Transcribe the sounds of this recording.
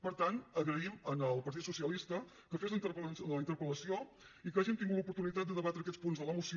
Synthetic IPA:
pəɾt̪ant̪əɣɾəimənəlˠpəɾt̪it̪susiəlist̪ə | kəfezənt̪əɾplsləint̪əɾkuləsio | ikaʒint̪iŋɡut̪lupuɾt̪unit̪at̪d̪əðəβat̪ɾəkɛt͡spunzðələmus

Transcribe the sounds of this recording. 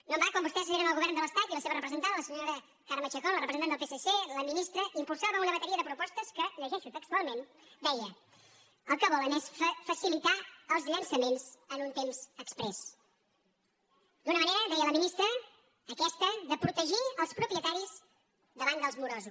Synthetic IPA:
nombakwambust̪ɛsəeɾəməlˠɣuβɛɾrnd̪ələst̪at̪iləseβərəpɾəzənt̪anðələsəɲoɾə | kaɾmət͡ʃəkɔlərəpɾəznanəlˠpeseseləminist̪ɾəʔimpulˠsaβəunəβət̪əɾiəðəpɾupɔst̪əskəʎəʒɛʃut̪əkst̪ualˠmen | d̪ɛjə | əlˠkəβɔlənɛsfəsilit̪aəlˠzʎənsəmenz̥ənunt̪emz̥əkspɾɛs | d̪unəməneɾəd̪ɛjələminist̪ɾəː | kɛst̪əðəpɾut̪əʒiəlˠspɾupɾjət̪aɾiz | d̪əβand̪əlˠzmuɾozus

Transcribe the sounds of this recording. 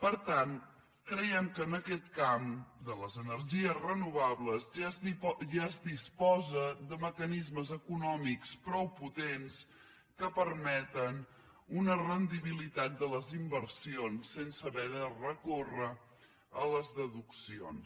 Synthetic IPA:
pəɾt̪an | kɾɛjɛmkəːnəkɛt̪̚kamd̪ələzənəɾʒiəzrənuβaβləz | ʒaəzdispɔzəðəməkənizməzəkunɔmikspɾɔwput̪ens | kəpəɾmɛt̪ən | unərənd̪iβilit̪at̪̚d̪ələzimbəɾsionsːensəβɛðərəkorə | ələzðəðuksio̰ns

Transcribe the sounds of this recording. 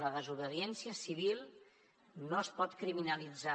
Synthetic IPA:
ləðəzuβəðiɛnsiəsiβ̞ilˠ | noəspɔt̪kɾiminəlid͡za

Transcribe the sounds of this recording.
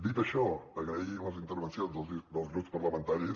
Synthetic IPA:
d̪it̪əʃɔəɣɾəiləzint̪əɾβənsjonzðəd̪əlzɣɾupspəɾləmə̃nt̪aɾis

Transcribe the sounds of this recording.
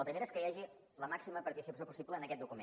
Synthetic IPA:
əpɾimeɾəeskəjaʒi | ləmaksiməpəɾt̪isipəs̬jopusipləːnəkɛt̪̚d̪ukumḛ̃

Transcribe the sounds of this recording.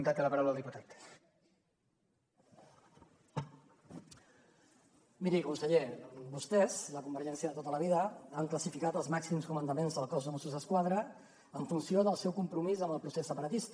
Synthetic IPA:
nt̪at̪eləpɐɾawləlˠd̪iput̪at̪ | miɾikunsəʎebust̪ɛz̥ləkumbəɾʒɛnsjəðət̪ot̪ələβ̞iðəaŋkləsifikat̪əlˠzmaksimskumənd̪əmenzðəlˠkɔzðəmusuzəskwaðɾəː | ɱfunsioðəlˠsɛwkumpɾumizəmbəlˠpɾusesːəpəɾət̪ist̪

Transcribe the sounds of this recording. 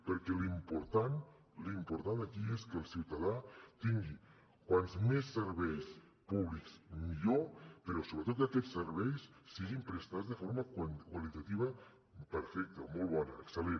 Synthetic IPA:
pəɾkɛlimpuɾt̪an | limpuɾt̪and̪əkieskəlˠsiwt̪aðat̪iŋɡi | kwanzmesːəɾβɛjs | puβliksmiʎopəɾɔsoβɾət̪ot̪̚əkɛsːəɾβɛjssiɣimpɾəst̪azðəfoɾməknkwalit̪at̪iβ̞ə | pəɾfɛk̚t̪əmɔlˠβɔnəəksəle

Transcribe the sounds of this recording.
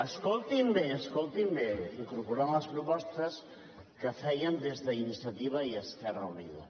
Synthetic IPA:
əskolˠt̪imbeəskolˠt̪imbeiŋkuɾpuɾamɐspɾupɔst̪əs | kəfɛjənd̪ezðəinisjɐt̪iβ̞ɐiəskɛrɐuniðɐ̰

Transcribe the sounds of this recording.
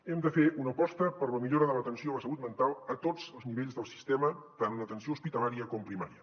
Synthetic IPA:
ɛmd̪əfeunəpɔst̪əpəɾləmiʎoɾəðələt̪ənsioləsəlut̪̚mənt̪alˠət̪od͡zəlˠzniβeʎzðəlˠsi̥st̪ɛmət̪anunət̪ənsiouspit̪əlaɾiəkɔmpɾima̰ɾiə

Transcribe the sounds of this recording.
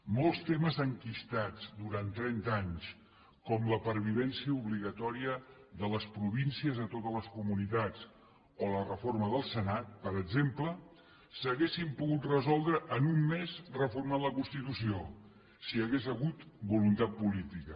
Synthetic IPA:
mɔlˠst̪eməzəŋkist̪ad͡zd̪uɾant̪ɾɛnt̪aɲs | kɔmləpəɾβ̞iðɛnsiəuβliɣət̪ɔɾiəðələspɾuβinsiəzət̪ot̪ələskumunit̪at͡s | olərəforməðəlˠsənat̪̚pəɾəɡzemplə | səɣesimpuɣut̪rəzɔlˠd̪ɾəʔənumːezrəfurmanləkunst̪it̪usio | siəɣezəɣut̪bulunt̪at̪̚pulit̪ikə

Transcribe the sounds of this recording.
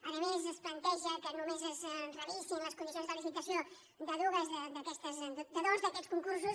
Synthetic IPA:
aðəmezəsplənt̪ɛʒəkənumezəznrəβisinləskund̪isjonzðəlifit̪əsio | d̪əðuɣəzðəd̪əkɛst̪əzd̪d̪əðozðəkɛt̪skuŋkurs̬us

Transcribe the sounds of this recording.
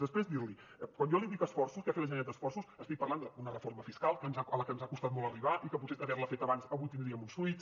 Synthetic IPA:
ðəspɾezd̪iɾli | kwanjɔliðikəsfɔrsuskeafet̪ləʒenad̪d̪əsfɔrsusəst̪ik̚pərland̪əunərəfoɾməfiskalˠkənzaələkənzakust̪at̪̚mɔlˠəriβaʔikəp̬ut̪seəβɛɾrləfet̪əβansəβujt̪ind̪ɾiəmunsfuit̪s

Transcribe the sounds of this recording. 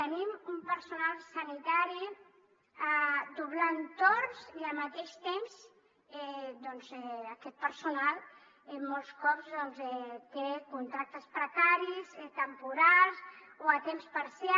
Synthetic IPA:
ənimumpəɾsunalˠsanit̪aɾi | ad̪uβlant̪orziamat̪eʃt̪emz | ɛd̪ɔnzɛakɛt̪̚pəɾsunalˠ | eːɔlˠskɔpzðɔnzɛt̪ekunt̪ɾak̚t̪əspɾəkaɾizet̪əmpuɾalz | oat̪emspaɾsja

